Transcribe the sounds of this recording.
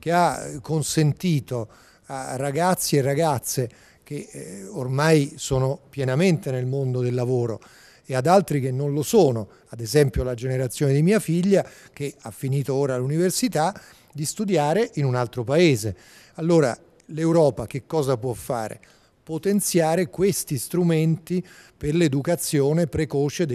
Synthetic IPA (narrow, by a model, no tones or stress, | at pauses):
k̟eakːonsent̪iːt̪o | arːaɡat̪sːierːaɡat̪sːe | k̟eormajsoːnopjɛnament̪enelmond̪od̪elːavoːɾo | ead̪alt̪ɾik̟enːonlosoːno | ad̪ezɛmpjolad͡ʒeneɾat̪sːjoːned̪imiːafiʎːa | k̟eafːiniːt̪ooːɾalːuniversit̪a | d̪ist̪ud̪jaːɾeʔinunalt̪ɾopaeːze | alːoːɾa̰ | lewɾɔːpak̟ekːɔːzapwɔfːa̰ːɾḛ | pot̪ent̪sjaːɾekwest̪ist̪ɾument̪iperled̪ukat̪sːjoːnepɾekoːt͡ʃed̪